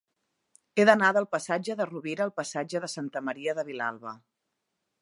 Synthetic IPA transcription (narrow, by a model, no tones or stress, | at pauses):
eðənaðəlˠpəsad͡ʒəðəruβiɾəːlˠpəsad͡ʒəðəsant̪əməɾiəðəβ̞ila̰lˠβə